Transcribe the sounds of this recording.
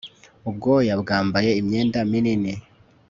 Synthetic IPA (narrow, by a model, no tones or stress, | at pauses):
ub̚ɡoːjabɡaːmbaje̞imɲeːndaminini